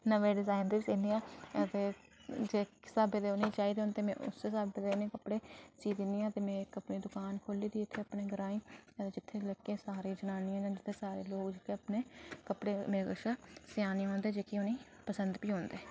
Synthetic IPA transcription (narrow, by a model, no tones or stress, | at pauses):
nəʋeːɖɪzaːɪnd̪iːsiːnd̪ijãːt̪eː | d͡ʒeːsaːbeːd̪eːʊnĩːt͡ʃaːiːd̪eɦoːnd̪eːmɛ̰̃ːʔʊ̰sesaːbeːd̪eːʊnẽːkəpɽeːt͡ʃiːd̪inijãːt̪eːmɛ̃ːkəpniːd̪ʊkaːnkʰoliːd̪iːɪt̪ʰːeːapneːɡəɾãːĩːət̪eːd͡ʒɪt̪ʰːeːləkːeːsaːɾeːd͡ʒənaːnɪjãːd͡ʒãːd͡ʒɪt̪ʰːeːsaːɾeːloːkd͡ʒɪkeapneːkəpɽeːmeːekəʃaːsɪjaːnijɦoːnd̪eːd͡ʒeːkiʊniː | pəsənd̪piːɦoːnd̪eː